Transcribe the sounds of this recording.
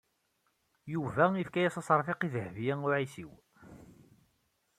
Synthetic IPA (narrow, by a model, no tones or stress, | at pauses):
juvæifkæjæsˤɑsˤɾˤfiqiðəhvijæʊʕisiw